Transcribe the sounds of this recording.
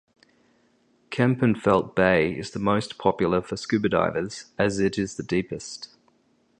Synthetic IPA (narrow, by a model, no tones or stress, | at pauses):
kʰæ̃mpə̃nfɛlˠt̚b̥eɪɪ̰zðəməʊspʰɒpjl̩ˠəfəskʉbədɑ̰ɪvəz̥əzɪɾɪzðədiˑpɪst